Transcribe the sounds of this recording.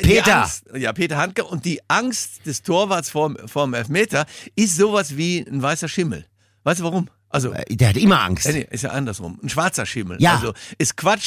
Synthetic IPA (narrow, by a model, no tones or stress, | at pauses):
pʰeiːɐstjaːpʰeːtɐhantkəʔʊnt̚d̥iːʔaŋstd̥ɛstʰoːɐvaɐtsfoːɐfoːɐnmɛlfmeːtɐʔɪstz̥oːvasv̥iːnvaɪsɐʃɪml̩ | vaɪstuvaʁʊm | ʔalzo̰d̥eːɐhatɪmɐʔa̰ŋsɐnɛ̰ʔɪ̰stja̰ːʔandɐsʁʊ̰mn̩ʃv̥aɐt͡sɐʃɪml̩ʔa̰lzoʔɪskv̥at͡ʃ